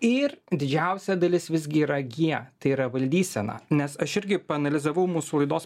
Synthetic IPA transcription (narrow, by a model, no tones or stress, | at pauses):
ɪɾd̪ʲɪd͡ʒʲɛʊsʲɛd̪ɐlʲɪsʋʲɪzʲɡʲɪiːɾɐɡʲiɛt̪ɐɪiːɾɐʋɐlʲd̪ʲiːsʲɛnɐ̰nʲɛsɐʃɪɾʲɡʲɪpɐɐnɐlʲɪzɐʋɐʊmuːsulˠɐɪd̪oːs